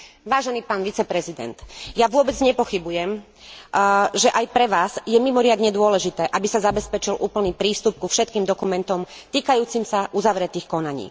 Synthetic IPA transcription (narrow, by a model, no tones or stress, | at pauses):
ʋaːʒɛniːpaːnʋit͡sɛpɾɛzid̪ɛ̰nt̪jaʋʊɔbɛd͡zɲɛpɔxibujɛm | ʒɛʔajpɾɛʋaːz̥jɛmimɔɾɪad̪ɲɛd̪ʊɔlɛʒit̪ɛːʔabisazabɛspɛt͡ʃilʔuːpl̩niːpɾiːst̪up̚kufʃɛt̪̚kiːmd̪ɔkumɛnt̪ɔm | t̪iːkajuːt͡simsaʔuzaʋɾɛt̪iːxkɔnaɲḭː